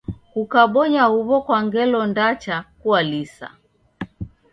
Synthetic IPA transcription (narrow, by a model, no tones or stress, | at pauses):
kukaɓɔɲahuβɔkwaŋɡɛlɔndat͡ʃakualisa̰